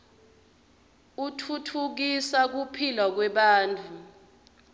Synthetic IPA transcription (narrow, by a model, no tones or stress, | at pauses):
utʰutʰuk̬isak̬upʰilak̬wɛɓaːntʰʼu